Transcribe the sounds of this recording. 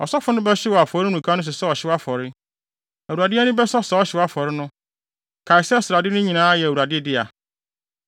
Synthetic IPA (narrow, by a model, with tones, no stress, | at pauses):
ɔ̰˨sɔ˦fʊ˨nʊ̃˦bɛ˦ɕɪ˦wɔ˨a˨fɔ˨ɾɪ˦nũ˨kʰa˦nʊ̃˦s̬ɪ˨sɛ˦ɔ˨ɕɪ˦wa˦fɔ˨ɾɪ˦ | æ˨u˨ɾa˨dɪ˦ɛ˦nʊ̃˦bɛ˦sɔ˦sɛ˦ɔ˦ɕɪ˦wa˦fɔ˨ɾɪ˦nʊ̃˦ | kʰa˨ɪ˨sɛ˦sɾa˨dɪ˦nʊ̃˦ɲĩ˨nãː˦jɛ˨u˨a˨dɪ˦dɪ˦a˨